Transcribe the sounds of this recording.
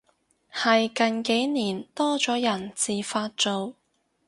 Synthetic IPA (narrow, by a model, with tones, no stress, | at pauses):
hɐ˨jkɐ˨nke˨˥jniː˨˩nt̪ɔː˥t͡sɔː˨˥jɐ˨˩nt͡siː˨faː˧t̚t͡so˨w